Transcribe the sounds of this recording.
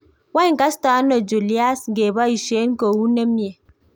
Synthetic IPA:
wa˦ŋ̩˨ka˦sta˨˦no˨d͡ʒu˨li˦a˦sŋ̩˨ɡe˨ba˦i˨ʃe˨˦n̩˦ko˨wu˦ne˦mje˨

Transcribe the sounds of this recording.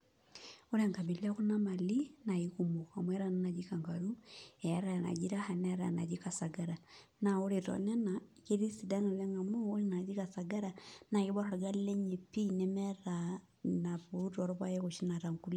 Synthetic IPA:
o˦ɾe˨ŋka˨bi˨li˦a˦ku˦na˦ma˨li˦na˨ikumu˨a˨mwɛ˦ɾa˦nana˨d͡ʒi˦ka˨ŋɡa˨ɾu˦ɛ˨a˦ɾa˨na̰˨d͡ʒi˦ɾa˦ha˨nɛ˦ɾa˨na̰˨d͡ʒi˦ka˨sa˨ɡa˦ɾa˨na˨o˦ɾe˨tɔ̰nɛ˦nake˦ɾi˦si˨da˦na˨lɛ˦ŋa˨moː˦ɾi˦na˨d͡ʒi˦ka˨sa˨ɡa˦ɾa˨na˨ki˦βa˦ɾa˨ɾa˨ɡa˦lle˦ɲe˨pi˦nɛ˦mɛ˦ɾa | na˨βuu˦tɔɾɔ˦βwa˦je˦ko˨ʃi˦na˨ta˨ŋku˦li˦

